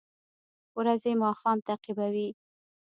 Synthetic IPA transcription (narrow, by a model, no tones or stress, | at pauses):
wɾazemɑxɑmt̪aqibawi